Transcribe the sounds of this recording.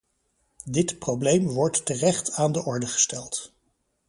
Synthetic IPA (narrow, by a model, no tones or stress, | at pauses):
dɪtprowblejmʋɔɹtːərɛχtaːndəʔɔɹdəχə̥stɛlˠt